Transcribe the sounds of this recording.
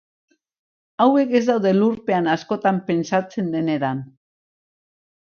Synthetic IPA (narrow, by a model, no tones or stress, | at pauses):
awe̞ke̞zd̪awðe̞luɾpe̞anasko̞t̪ampe̞nsat͡se̞nd̪e̞ne̞ɾan